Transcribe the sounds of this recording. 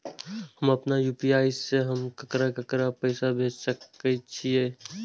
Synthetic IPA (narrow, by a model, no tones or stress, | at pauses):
həmɐpnajuːpiaːɪseɦəmkəkɾakɐkɾapəɪsabʱeːd͡ʒsəkət͡ʃʰieː